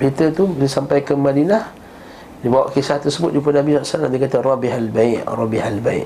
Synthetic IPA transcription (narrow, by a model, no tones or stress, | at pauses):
pit̪ət̪ubiləsampajkəmadinah | dibawa̰ʔkisaht̪ərsəbʊt̪̚dip̬ənabinaʔsaanadikat̪ərɑbihalbaɪʔrɔbihalbaḭʔ